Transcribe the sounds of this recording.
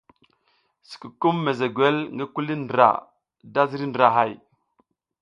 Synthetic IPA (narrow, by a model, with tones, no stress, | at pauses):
si̥˨ku˨ku˦mːe˨ze˨ɡʷe˦lŋɡa˦ku˦li˦ndɾa̰˨ | da˦zi˦ɾi˦ndɾa˨ɦa˦˨j